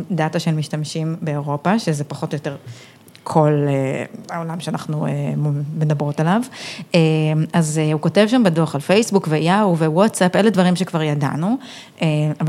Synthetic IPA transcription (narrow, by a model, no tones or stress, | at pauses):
dataʃe̞lmiʃtamʃimbe̞oʁo̞paʃezepaχo̞tjo̞te̞ʁ | kʰo̞leaolamʃeanaχnueme̞dabʁo̞talavemazeuko̞tevʃambedoχalfejsbukvejawvewotsapʔeledvaʁimʃekvaʁjada̰nu | ʔeava